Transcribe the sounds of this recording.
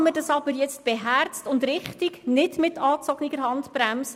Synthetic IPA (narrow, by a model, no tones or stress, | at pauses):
mədɑsɑbəɾjɛt͡st̚b̥eɦært͡stʊndɾɪχtiɡnɪdmɪtɑːt͡sɔɡniɡəɾɦɑntpɾæms